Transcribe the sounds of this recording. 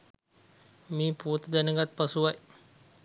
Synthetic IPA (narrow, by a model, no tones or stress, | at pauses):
miput̪danəŋɡat̪̚pasuwaj